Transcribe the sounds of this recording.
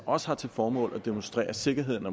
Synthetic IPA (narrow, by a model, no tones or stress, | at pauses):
ɒ̽sə̥hɑ̈t͡sʰe̝lfɒːmɔ̰ːlæd̥e̝monsd̥ʁɛ̰ːɐse̝ɡ̥ɐɦe̝ð̞̰ˠn̩ɒ